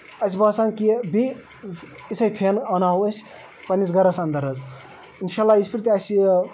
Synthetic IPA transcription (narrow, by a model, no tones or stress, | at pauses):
ɐsʲbɐsankibi | isɐpʰenɐnaːwəsʲ | pɐnis̬ɡɐɾɐsɐnd̪ɐɾɐz | inʃaːlːaːispʰiɾt̪iɐsi